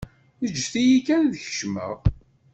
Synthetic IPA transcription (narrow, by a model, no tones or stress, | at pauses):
əd͡ʒːθijikænðəçə̥ʃmə̰ʁ